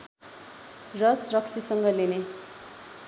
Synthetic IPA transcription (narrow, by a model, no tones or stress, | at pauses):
rʌsrʌksʰisʌŋɡʌline